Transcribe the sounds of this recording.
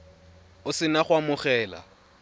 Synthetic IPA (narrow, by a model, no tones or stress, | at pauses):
ʊsɪnaχwamʊχɛːla̰